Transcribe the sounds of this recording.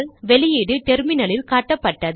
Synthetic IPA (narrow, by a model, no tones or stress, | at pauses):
lʋɛlɪjɪɽɯt̪ɛɾmɪnɐlɪlkaːʈːɐpːɐʈːɐð